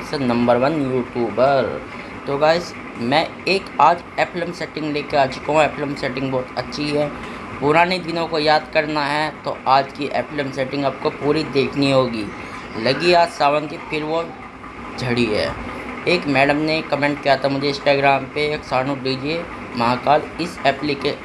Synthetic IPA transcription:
sənɐ̃mbəɾʋɐnjuːʈjuːbəɾ | t̪oːɡaːɪs | mɛ̃ː | eːkaːd͡ʒ | ɛːpləmseːʈɪ̃ŋɡleːkeaːd͡ʒʰkɐɦũɛːpləmseːʈɪ̃ŋɡbɔːt̪ɐ̰tːʃʰiɦɛː | pʊɾaːned̪ɪnõkojaːd̪kɐɾnaɦɛt̪oʔaːd͡ʒkiʔɛːpləmseːʈɪ̃ŋɡaːp̚kopuːɾid̪eːkʰniɦoːɡiː | lɐɡiaːsaːʋə̃nkipʰɪɾʋo | d͡ʒʱɐɽiɦɛ̰ːeːkmɛːɖəmnekɐmẽːɳʈ̚kijat̪ʰamʊd͡ʒʱeɪsʈaːɡɾaːmpeksaːnuɖiːd͡ʒie | mɐɦakaːlɪsɛːplike

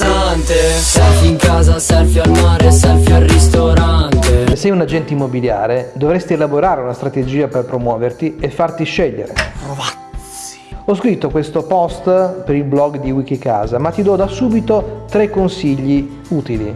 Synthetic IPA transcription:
ant̪esɛɾviŋkaːzasɛɾfalmaːɾesɛɾfalrist̪oɾant̪esejunad͡ʒɛnt̪eimːobilja̰ːɾed̪ovɾest̪ielaboɾaːɾeunast̪ɾat̪ed͡ʒiːaperpɾomwɔːvert̪iefːart̪iʃːeʎːḛɾḛḁ | ɔskɾit̪ːokwest̪opɔst̪peɾilblɔɡd̪iwik̟ika̰ːzamat̪ːid̪ɔd̪asuːbit̪ot̪ɾekːonsiʎːi | uːt̪ilḭ

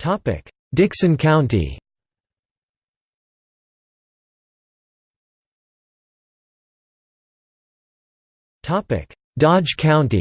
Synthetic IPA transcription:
tʰɑpɪ̰k | d̥ɪksɨ̃nkʰãʊ̃ntḭ | tʰɑpɪ̰k | d̥ɑd͡ʒ̥kʰãʊ̃ntḭ

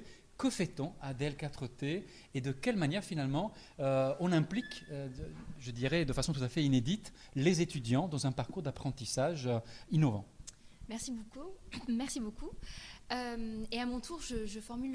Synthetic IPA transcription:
kəfɛt̪ɔ̃ad̪ɛlkat̪χət̪eː | d̪əkʲɛlmanjɛʁfinalmɑ̃ | øɔ̃nɛ̃plikøʒəd̪iʁɛd̪əfasɔ̃t̪̬ut̪afɛined̪it̪lezet̪yd̪jɑ̃d̪ɑ̃zɛ̃paʁkuʁd̪apχɑ̃t̪isaʒøinɔvɑ̰̃ | mɛʁsibokumɛʁsibokʰuømeamɔ̃t̪ʰuʁʒəʒəfɔʁmyl

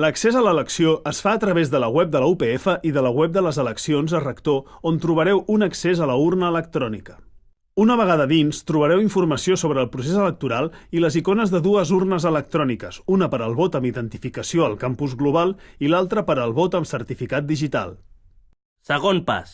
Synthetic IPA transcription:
ləksezələləksioʔəsfaət̪ɾəβezðələɣwɛp̚d̪ələupeɛfəʔiðələɣwɛp̚d̪ələzələksionzərəkt̪oont̪ɾuβəɾɛwunəksezələurnəːlək̚t̪ɾɔnḭkə̥ | unəβəɣ̞aðəðinst̪ɾuβəɾɛwiɱfurməsiosoβɾəːlˠpɾus̬ezələk̚t̪uɾalˠiləzikonəzðəðuəzurnəzələk̚t̪ɾɔnikəzunəpəɾəlˠβɔt̪əmiðənt̪ifikəsioəlˠkampuzɣluβ̞alˠilalˠt̪ɾəpəɾəlˠβɔt̪əmsəɾt̪ifikat̪̚d̪iʒit̪a̰lˠ | səɣonpa̰s

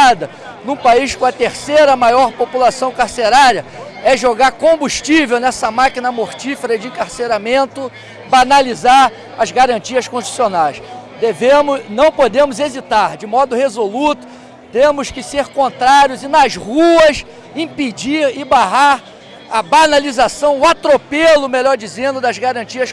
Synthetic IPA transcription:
ad̪ɐ | nũpaiʃkõɐt̪eɾsejɾɐmajɔɾpopulasɐ̃w̃kaɾseɾaɾjɐ | ɛʒoɡaɾkõmbuʃt͡ʃivewnɛsɐmakinɐmoɾt͡ʃifeɾɐd͡ʒɪĩkaɾseɾamẽnt̪ʊ | banalizaɾ | ɐzɡaɾɐ̃nt͡ʃiɐskõd͡ʒi̥sionajsd̪evẽmʊnɐ̃w̃pod̪ẽmʊzezit̪aɾd͡ʒɪmɔd̪ʊhezolut̪ʊ̥ | t̪ẽmʊskɪseɾkõnt̪ɾaɾjʊzɪnɐzʁuɐs | ĩpid͡ʒiɾɪbaɦaɾ | ɐbanalizasɐ̃w̃ʊat̪ɾopɛlʊmelɔɾd͡ʒizẽnd̪ʊd̪ɐzɡaɾɐ̃nt͡ʃiɐʃ

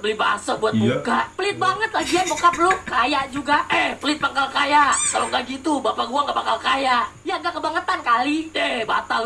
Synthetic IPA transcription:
bəlibaa̰sabuat̪̚bukaʔpəlɪt̪̚baŋət̪̚laɡianbokaplukajaʔd͡ʒuɡaʔəhpəlɪt̪̚pakalkajaʔkaloŋɡaʔɡit̪ubapaɡuaŋɡapakalkajaʔjaŋɡaʔkəbaŋət̪ankalidəba̰t̪al

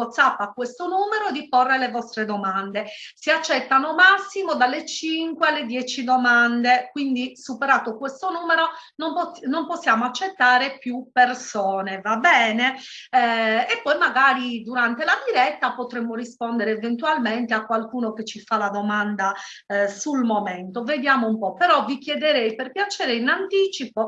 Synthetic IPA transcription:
ɔt̪sapːakwest̪onuːmɛɾod̪ipɔrːelevɔst̪ɾed̪ɔmand̪esiat͡ʃːɛt̪ːanoːmasːimod̪alːet͡ʃiŋkwealːed̪jɛːt͡ʃid̪ɔmand̪ekwind̪isupɛɾaːt̪okwest̪onuːmɛɾonompnomposːjaːmoat͡ʃːet̪ːaːɾepjupːersɔːnevabɛːnɛ | pːɔjmaɡaːɾid̪uɾant̪elad̪iɾɛt̪ːapot̪ɾɛmːorispɔnd̪ɛɾeːvent̪ualmɛnt̪eakwalkuːnoket͡ʃːifalad̪ɔmand̪a | sulmɔmɛnt̪oved̪jaːmoumpɔpɛɾɔvikjɛd̪eɾejperpjat͡ʃɛːɾeinant̪iːt͡ʃipo

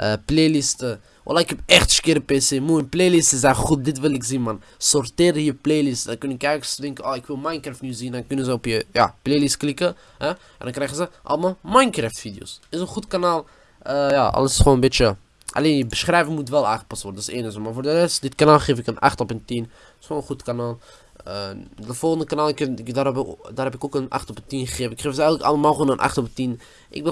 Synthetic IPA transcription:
ʔəpleːlɪstə | ʋɔ̰laɪkhɛpɛχtskɪɾəpeːseːmuənpleːlɪstəzdaχut̚dɪtʋɪlɪkzinman | sɔrtɪːɾhiːpleːlɪstdɑnkʏnəɪkɛrxəstdɛŋkəʔoɪkʋɪlˠmajnkraftnyzindɔnkʏnəzəɔpjəja̰ːpleːlɪstklɪkə | ɦɛ | ɛ̰ndɑnkrɛjɣəzəʔɑ̰ləmaːlˠmajnkraftfidijo̰stɪsənχutkanaːlˠ | əjaʔɑ̰ləsɪ̥sχoːnbɪtt͡ʃə | ʔa̰leːnjəbəsχrɛjvəŋmutʋɛlˠa̰ːnχə̥pɑstʋɔrdədɪseːnəʁzəmaːrfoːrdərɛstdɪtkanaːlˠχeːfɪkəna̰χtɔpəntin | ɪ̥sχoːnəχutkanaːlˠ | ədəfɔlˠχəndəkanaːlˠkdadaːɾhɛpɪkokəna̰χtɔpəntinχəχeːvəɪkχeːfsəɛjləkɑ̰ləmaːlˠxχoːnənʔɑ̰χtɔptin | ʔɪ̰kʋɪ

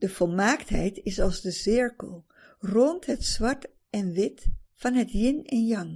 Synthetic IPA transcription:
d̥əv̥ɔlˠmaːktɦɛ̰jtɪsɑlˠzdəzɪɹkəlˠ | rɔntɦətsʋɑɹt | ɛnʋɪtfɑnɦətjɪnɛnjɑŋ

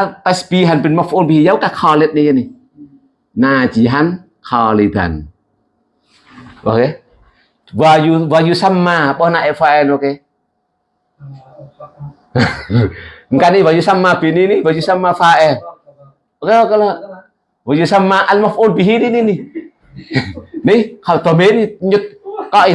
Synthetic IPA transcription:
at̪aspiɦanpenmafʔonp̬ihijakakʰɔːlet̪̚nijani | naːt͡ɕiɦan | kʰɔlida̰n | ɔ̰ke | wajuvaːjusamːaːɓɔhnaʔɛfaːʔɛnoke | ŋ̩kaniwajusamːapininiwad͡ʒusamːafaɛn | okeɔkalɔ | wajusamːaʔalmafolpiɦininini | nikat̪ɔmeniɲʊt̪̚kai

